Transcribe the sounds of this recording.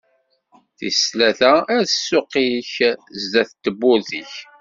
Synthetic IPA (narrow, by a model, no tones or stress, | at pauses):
θḭslæθææθəsːʊqiçzd̪æθt̪ːəbːʊðiç